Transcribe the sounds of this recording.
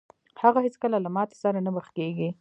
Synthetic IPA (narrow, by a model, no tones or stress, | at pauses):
haɣahet͡skəlalamɑt̪e̥saɾanabəxkeɡi